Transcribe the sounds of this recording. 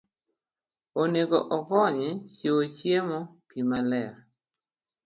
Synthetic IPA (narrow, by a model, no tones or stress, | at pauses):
oneɡɔʔɔɡɔɲɪt͡ʃeot͡ʃjemɔpimalɛa